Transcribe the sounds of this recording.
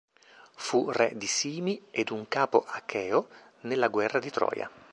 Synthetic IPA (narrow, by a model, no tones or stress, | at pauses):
furɛd̪isiːmied̪uŋkaːpoʔakʰɛːo | nelːaɡwɛrːad̪it̪ɾɔ̰ːja̰